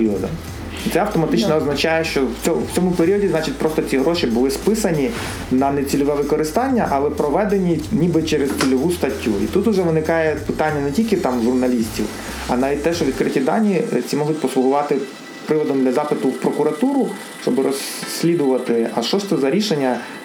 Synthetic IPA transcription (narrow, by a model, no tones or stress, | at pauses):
iɔd̪ɐ̰ | it̪sɛɐwt̪ɔmɐt̪ɪt͡ʃnɔːznɐt͡ʃajɛʃt͡ʃɔwʲɔwt͡sʲɔmʊpeɾʲiɔdʲiznɑt͡ʃɪtʲpɾɔst̪ɔt͡sʲiɦɾɔʃibʊlˠɪspɪsɐnʲi | nɐnɛt͡sʲilʲɔʋɛʋɪkɔɾɪst̪ɑnʲːɐʔɐlˠɛpɾɔʋɛd̪enʲinʲibɪt͡ʃɛɾest͡sʲilʲɔʋust̪ɐtʲːuḭt̪ut̪ʊʒɛʋɪnɪkɑjɛpɪt̪ɑnʲːɐnɛtʲilʲkɪt̪ɑmʒʊrnɐlʲisʲtʲḭw | ɐ̰nɑʋʲid̚ʲt̪ɛʃt͡ʃɔʋʲid̪kɾɪtʲid̪ɑnʲit͡sʲimɔɦʊt̚ʲpɔslˠʊɦʊʋɑt̪ɪ | pɾɪʋɔd̪ɔmd̪lʲɐzɑpɪt̪ʊwpɾɔkʊɾɐt̪uɾʊ | ʃt͡ʃɔbɪɾɔsʲːlʲid̪ʊʋɐt̪ɪɐʃt͡ʃɔʃt̪sɛzɐɾʲiʃenʲːɐ